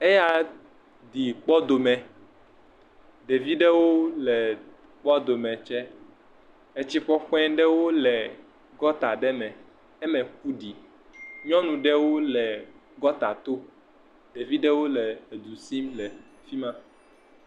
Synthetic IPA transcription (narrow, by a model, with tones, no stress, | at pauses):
e˦ja˨ | d̪i˨k͡pɔ˦d̪o˨mɛ̃˨ | ɖe˨vi˦ɖɛ˦wo˦lɛ˨ | k͡pɔ˦d̪o˨mɛ̃˨t͡ʃɛ˦ | e˦t͡ɕi˦ɸɔ˦ɸɛ̃˦ɖɛ˦wo˦lɛ˨ | ɡɔ˦t̪a˨ɖɛ˦mɛ̃˨ | ɛ˦mɛ̃˨xu˦ɖi˨ | ɲɔ̃˦nũ˨ɖɛ˦wo˦lɛ˨ | ɡɔ˦t̪a˨t̪o˦ | ɖe˨vi˦ɖɛ˦wo˦lɛ˨e˨d̪u˨si˦mlɛ˨ | fi˦mã˦